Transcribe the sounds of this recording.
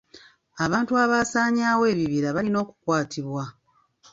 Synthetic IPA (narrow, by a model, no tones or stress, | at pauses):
aβaːntuaβaːsaːɲaːwe̞ːβiβiɾaβalino̞ːku̥kwaːtʰiβwa